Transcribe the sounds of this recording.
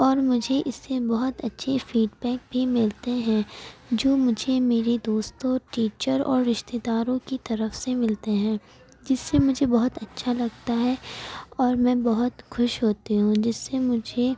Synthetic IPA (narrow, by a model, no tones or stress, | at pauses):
ɔːɾmʊd͡ʒʱeʔɪsːebɐɦʊt̪ɐtːʃʰefiːɖbɛːk̚bʱimɪlt̪eɦɛ̃ːd͡ʒoːmʊd͡ʒʱemeːɾid̪oːst̪õʈiːt͡ʃəɾɔ̰ːɾːɪʃt̪eːd̪aːɾõkit̪ɐɾəfsemɪlt̪eɦɛ̃ː | d͡ʒɪsːemʊd͡ʒʱebɔɦʊt̪ɐtːʃʰalɐɡt̪aɦɛɔːɾmɛ̃ːbɐɦʊt̪xʊʃɦoːt̪eɦũd͡ʒɪsːemʊd͡ʒʱe